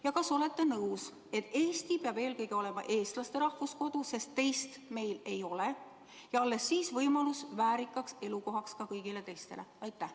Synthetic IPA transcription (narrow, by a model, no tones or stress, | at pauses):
jɑkɑso̞le̞t̪ːˑe̞nɤws | e̞t̪ːˑe̞ːst̪ipeɑb̥e̞ːlkɤjɡ̥io̞le̞mɑ̰ʔe̞ːst̪lɑst̪e̞ɾɑhvusko̞d̪̥use̞st̪ːe̞jst̪me̞jle̞jo̞le | jɑɑlːe̞sːiːsvɤjmɑlusvæːɾikːˑɑkse̞luko̞ɦɑkskɑkɤjɡ̥ile̞t̪e̞jst̪e̞le̞̰ɑjt̪ːˑæh